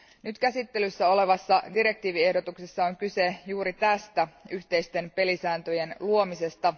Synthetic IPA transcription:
nyt̪kæsit̪ːe̞lysːæo̞le̞ʋɑsːɑdiɾe̞k̚t̪iːʋie̞hdot̪uksesːɑoŋkysejuːɾit̪æst̪æyht̪e̞jst̪e̞npe̞lisæːnt̪øje̞nluo̞mise̞st̪ɑ

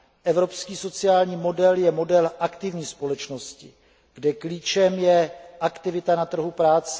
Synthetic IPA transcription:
ʔɛvɾo̞pskiːso̞t͡sɪaːlɲiːmo̞dɛljɛmo̞dɛlʔakt̪ɪvɲiːspo̞lɛt͡ʃno̞scɪ̰ | ɡ̥dɛkliːt͡ʃɛmjɛʔakt̪ɪvɪt̪anat̪r̩ɦupɾaːt͡sɛ

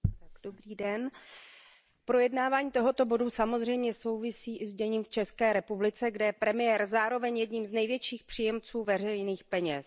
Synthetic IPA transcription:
t̪aɡdobɾiːdɛn | pɾo̞jɛdnaːvaːɲiːt̪o̞ɦo̞t̪o̞bo̞dusamo̞zr̝ɛjmɲɛso̞wvɪsiːʔɪzdɛɲiːmft͡ʃɛskɛːɾɛpublɪt͡sɛɡdɛjɛpɾɛmɪjɛːɾzaːɾo̞vɛɲjɛdɲimznɛjvjɛt͡ʃiːxpr̝̥ijɛmt͡suːvɛrɛjniːxpɛɲɛs

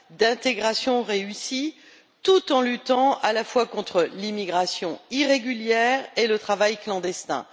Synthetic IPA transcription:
d̪ɛ̃t̪eɡʁasjɔ̃ʁeysi | t̪ut̪ɑ̃lyt̪ɑ̃alafwakɔ̃t̪χəlimiɡʁasjɔ̃iʁeɡʲyljɛʁelət̪χavajklɑ̃d̪ɛst̪ɛ̰̃

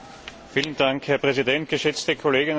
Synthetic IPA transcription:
fiːlənd̥aŋkhɛːɐpʁ̥ɛzidɛnt̚ɡ̥əʃɛt͡stəkʰoleːɡən

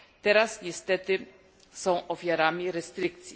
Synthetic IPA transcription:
t̪ɛɾasɲɛst̪ɛt̪ɘ | sɔ̃w̃ʔɔfʲjaɾamʲiɾɛst̪ɾɘk̚t̪sʲji

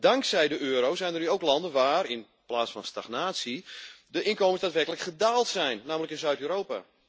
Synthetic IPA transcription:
daŋksɛjdəʔøːɾowsɛjndərnyowklɑndənʋaːɾɪn | plaːsfɔnstaχnaːtsidəʔɪnkoːməsdaːtʋɛrkələkχədaːlˠtsɛjnːaːmələkɪnzœɥtyːɾoːpa̰

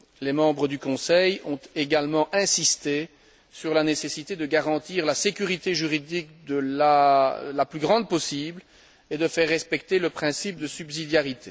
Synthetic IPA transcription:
lɛmɑ̃bʁəd̪ykɔ̃sɛjɔ̃t̪eɡalmɑ̃ʔɛ̃sist̪e | syʁlanesesit̪ed̪əɡaʁɑ̃t̪iːʁlasekʲyʁit̪eʒyʁid̪ik̚d̪əlalaplyɡʁɑ̃d̪̚pɔsiːbl | ed̪əfɛʁːɛspɛkt̪eləpχɛ̃sip̚d̪əsybzid̪jaʁit̪ʰe

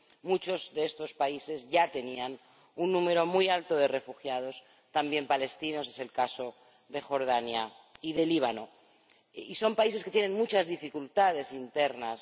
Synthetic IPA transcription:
mut͡ʃo̞zðeest̪o̞spaise̞zʝat̪e̞nian | unːũme̞ɾo̞mujalt̪o̞ð̞e̞re̞fuxjað̞o̞s | t̪ambje̞mpale̞st̪ino̞s̬e̞se̞lkaso̞ | ðe̞xo̞ɾð̞anja | iðe̞liβ̞ano̞ | iso̞mpaiseke̞t̪jenẽ̞nmut͡ʃazðifikult̪að̞e̞sint̪e̞ɾnas

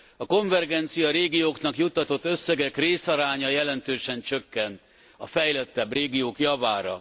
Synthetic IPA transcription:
ɒko̞ɱvɛrɡɛnt̪sijɒɾeːɡijoːknɒkjut̪ːɒt̪o̞t̪ːø̞sːɛɡɛkreːsɒɾaːɲɒjɛlɛnt̪øːʃɛnt͡ʃø̞kːɛnt̪ | ɒfɛjlɛt̪ːɛbreːɡijoːkjɒvaːɾɒ̰

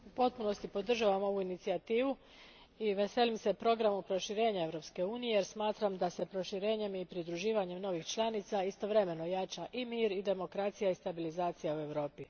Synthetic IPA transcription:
upo̞t̪̚puno̞st̪ipo̞d̪r̩ʒaʋamo̞ʋuinit̪siat̪iːʋu | iʋe̞se̞limse̞pɾo̞ɡɾamupɾo̞ʃiɾe̞ːɲae̞ʋɾo̞pske̞uːnijejeɾsmaːt̪ɾamd̪ase̞pɾo̞ʃiɾe̞ːɲe̞mipɾid̪ɾuʒiːʋaɲe̞mno̞ʋixt͡ʃlˠanit̪saist̪o̞ʋɾe̞me̞no̞jat͡ʃaʔimiːɾid̪e̞mo̞kɾat̪sijaist̪abilizaːt̪sijaue̞ʋɾo̞ːpi

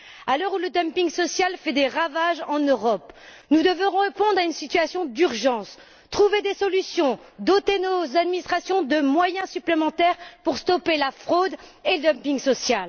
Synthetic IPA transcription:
alœʁuləd̪ɔmpiŋsɔsjalfɛd̪eʁavaʒɑ̃nøʁɔp | nud̪əvɔ̃ʁɔ̃ʁepɔ̃d̪ʁaynsit̪ɥasjɔ̃d̪yʁʒɑ̃s | t̪χuved̪esɔlysjɔ̃ | d̪ot̪enozad̪minist̪χasjɔ̃d̪əmwajɛ̃syplemɑ̃t̪ɛʁpuʁst̪ɔpelafχod̪eləd̪ɔmpiŋɡsɔsjal

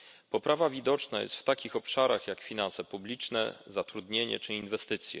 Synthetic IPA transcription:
pɔpɾavavʲid̪ɔt͡ʂnajɛ̰st̪ft̪akʲixɔpʂaɾaxjakfʲinansɛpublʲit͡ʂnɛ̰zat̪ɾud̪ɲeɲɛ̰t͡ʂɘinvɛst̪ɘt̪sʲjɛ̰

